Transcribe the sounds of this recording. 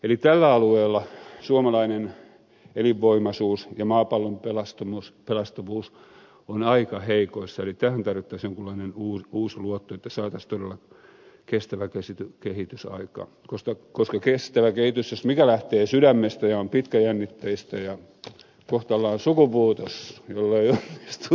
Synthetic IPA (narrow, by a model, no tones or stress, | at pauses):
elit̪ælːæɑlueːlːɑsuomɑlɑinen | eliʋːoimɑsuːsjɑmɑːpɑlːompelɑst̪omuspelɑst̪oʋuːs | onɑikɑheikoisːɑelit̪æːhænt̪ɑrʋit̪ːɑsjoŋkulːˑɑinenuːuːsluot̪ːoet̪ːæsɑːt̪ɑst̪odelːɑ | kest̪æʋækesit̪ykehit̪ysɑ̰ikɑ̰ː | koskɑkoskɑkest̪æʋækehit̪ysjosmikælæht̪eːsydæmːest̪æjɑompit̪kæjænːit̪ːæjist̪æjɑ | koht̪ɑlːɑːnsukupuːt̪osjolːeionːist̪u